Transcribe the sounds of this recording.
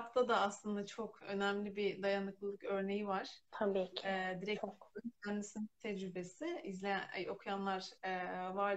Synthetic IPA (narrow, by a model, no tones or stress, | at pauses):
pt̪ʰad̪aːslˠɯnd̪at͡ʃʰo̞kʰø̞næmlʲibid̪ajanɯklˠɯlˠɯkø̞ɾne̞jivaɾ̥t̪ʰabicʰːd̪iɾɛc̪ncʰænd̪isinit̪ʰɛd͡ʒɾybe̞siizlʲɛo̞kʰujanlˠaɾ̥ɛːvaɾ